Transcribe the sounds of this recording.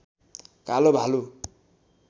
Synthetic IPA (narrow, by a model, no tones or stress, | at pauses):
kalobʱalu